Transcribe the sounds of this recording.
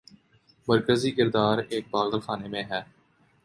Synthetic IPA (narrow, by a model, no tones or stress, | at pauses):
məɾkəziːkɪɾd̪aːɾeːk̚baːɣd̪əlxaːneːmẽːɦɛː